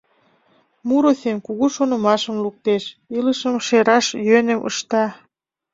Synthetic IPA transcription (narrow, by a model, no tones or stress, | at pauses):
muɾoθemkuɣuʃonə̆mɑʃəmluk̚t̪eʃiləʃəmʃeɾɑʃjønə̆mʔə̰ʃt̪ɑ